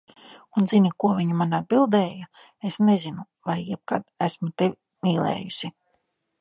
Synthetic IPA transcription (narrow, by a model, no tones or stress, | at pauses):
unzinʲikuɔvʲiɲumanad̪̚bilˠd̪ɛːja | esnezinu | vajjɛb̚kad̪æsmut̪e | miːlˠɛ̰ːjusʲi